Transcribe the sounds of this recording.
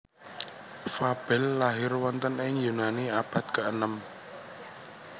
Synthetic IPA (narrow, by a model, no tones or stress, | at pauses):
fab̥ɛlːaɦɪrwɔnt̪ənɪŋjunaniab̥a̤t̪̚kəʔənəm